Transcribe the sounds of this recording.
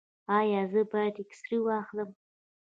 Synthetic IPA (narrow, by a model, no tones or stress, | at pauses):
ɑjɑzəbɑjad̪ɪksɾiwɑxləm